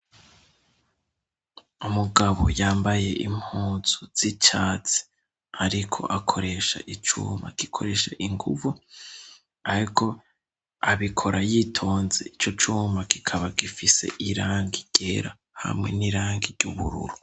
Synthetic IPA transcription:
umuɡaβo̞̰jaːmbaje̞ʔimhuːz̥uz̥it͡ʃaːt͡si̥ | aɾikʰo̞̰ʔakʰo̞ɾe̞ʃa̰ʔit͡ʃṵːma̰ki̥kʰo̞̰ɾe̞ʃaʔiŋɡuvu | aɾikʰo̞ | aβikʰo̞ɾajitʰo̞ːnze̞it͡ʃo̞t͡ʃumaki̥kʰaβaɡifise̞̰ʔiɾaːŋɡiɟ̥eɾa | ha̰mŋe̞̰niɾaːŋɡiɾɟuβṵɾṵɾu

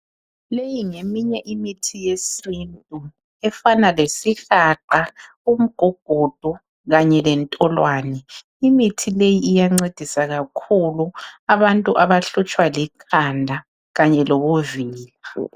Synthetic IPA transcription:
lejiŋemiɲɛʔimitʰijesintʼu | ɛfanalesixaǃa | um̩ɡ̥ʱɔɡ̥ʱɔd̥ʱɔ | ɣaɲɛlɛntʼɔlwaːnɛ | imitʰilejiːjaŋ͡ǀed̥ʱisaɣakʰuluaβantʼuʔaβaɬut͡ʃʼwalikʰandʱa | ɣaɲɛlɔβoviːli

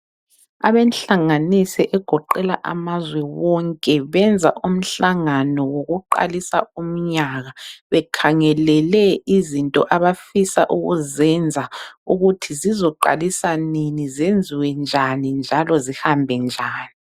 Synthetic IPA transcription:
a̰βɛnɬaŋanisiʔɛɡ̥ʱɔǃɛla̰ʔa̰mazwɛwɔŋkʼɛβɛnd͡zʱa̰ʔum̩ɬaŋanɔwoɣuǃa̰lisa̰um̩ɲaɣaβɛkʰaŋɛlɛlɛizintʼɔ̰ʔaβafisa̰ʔuɣuzɛnd͡zʱauɣutʰizizɔǃa̰lisaninizend͡zʱiwɛnd͡ʒʱanind͡ʒʱalɔzihambʱɛnd͡ʒʱaːni

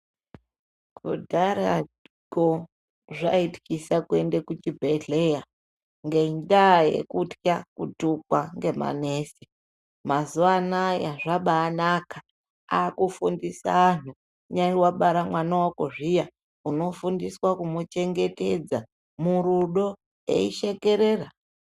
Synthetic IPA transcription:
kṵdʱaɾa | ɡo | ʐa̰iti̥kisakue̞ndekut͡ʃibʱeɮeja | ŋɡe̞ɲdajḛkutjakutukwaŋɡe̞ma̰neːsi | mazuanajaʐaɓaːnaka | akufundisa̰ːn̤u | ɲaiwaɓaɾamwanawako̞ʐija | uno̞fundiswakumut͡ʃe̞ŋɡe̞te̞d͡za | muɾuɗo̞ | ḛiʃe̞ke̞ɾeːra

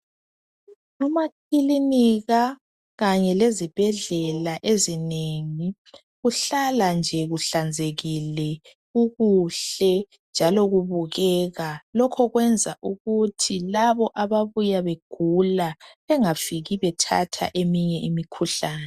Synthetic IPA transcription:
nɔmakʰiliniɣa | ɣaɲɛlezib̥ʱɛɮɛlaʔezineŋi | ɣuɬaland͡ʒʱɛɣuɬand͡zʱeɣilɛ | uɣuɬɛ | nd͡ʒʱalɔɣuβuɣɛɣalɔkʰɔɣwɛnd͡zʱaʔuɣutʰilaβɔʔaβaβujaβeɡ̥ʱulaβɛŋafiɣiβɛtʰa̰tʰa̰ʔemiɲɛʔimikʰuɬaːnɛ

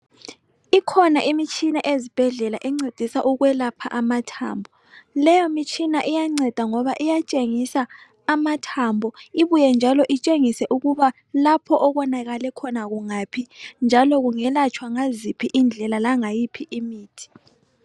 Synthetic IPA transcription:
ikʰɔnaʔimit͡ʃʼʰinaʔezib̥ʱɛɮɛlaʔɛŋ͡ǀed̥ʱisaʔuɣwɛlapʰa̰ʔamatʰa̰ːmbʱɔ | lɛjɔmit͡ʃʰʼinaʔijaŋ͡ǀɛd̥ʱaŋɔβaʔijat͡ʃʼeŋisaː | matʰambʱɔiβujɛnd͡ʒʱalɔʔit͡ʃʼeŋisɛʔuɣuβa | lapʰɔʔɔɣɔnaɣalɛkʰɔnaɣuŋapʰind͡ʒʱalɔɣuŋɛlat͡ʃʰwaŋazipʰiʔind͡ɮʱɛlalaŋajipʰiʔimiːtʰi̥

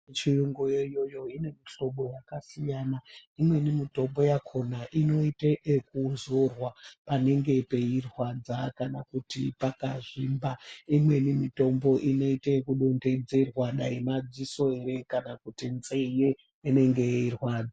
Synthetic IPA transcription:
t͡ʃiruŋɡojejo̞jo̞ine̞miɬo̞ɓo̞jakasijaːnaimwe̞nimito̞mbo̞jakʰo̞naʔino̞iteʔek̚unzorwapane̞ŋɡe̞pe̞irwad͡zakanakutipakaʐimbaimwe̞nimito̞mbo̞ʔino̞iteekuɗo̞nde̞d͡ze̞rwaɗaimad͡ziso̞eɾe̞kanakutinzeje | ene̞ŋɡe̞eirwaːd͡za

